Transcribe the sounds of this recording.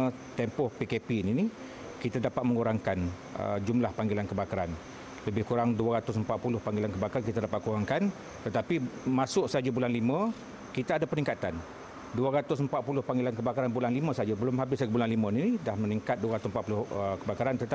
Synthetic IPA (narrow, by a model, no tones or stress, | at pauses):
t̪ɛmpɔhpikepinini | kit̪adapat̪̚məŋuɾaŋkan | ə̰d͡ʒumlahpaŋɡilankəbakaɾan | ləbɪhkuɾaŋduaɾat̪ʊs̬əmpat̪̚pulʊhpaŋɡilankəbakaɾankit̪adapat̪̚kuɾaŋkan | t̪ət̪apimasʊʔsəɦad͡ʒabulanlimə̃ | kit̪aadapəniŋkat̪an | duaɾat̪ʊsəmpat̪̚pulʊhpaŋɡilankəbakaɾanbulanlimə̃səad͡ʒabəlʊmɦabɪsad͡ʒəbulanlimə̃ninidahməniŋkat̪̚duaɾat̪ʊsmpat̪pulʊhəkəbakaɾant̪ət̪